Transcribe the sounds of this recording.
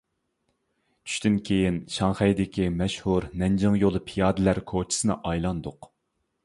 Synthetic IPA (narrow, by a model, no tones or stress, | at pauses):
t͡ʃʰy̥ʃt̪ynkʲʰejinʃɑŋχɛjd̪ɪkʲimɛʃhuɾnɛnd͡ʒɨŋjolˠɨpʰijɑːd̪ɨlæɾkʰot͡ʃʰi̥sɨnɨ̰ʔɑjlˠɑnd̪ʊq